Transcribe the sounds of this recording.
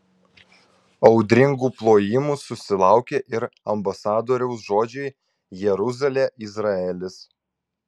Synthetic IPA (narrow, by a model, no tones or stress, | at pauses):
ɒʊd̪ʲɾʲɪŋɡuːplˠoːjɪmuːsʊsʲɪlˠɑˑʊkʲeːʔɪɾɐmbɐsɑːd̪oːɾʲɛʊsʒoːd͡ʒʲɛɪ | jɛɾʊzɐlʲeːʔɪzɾɐɛlʲɪs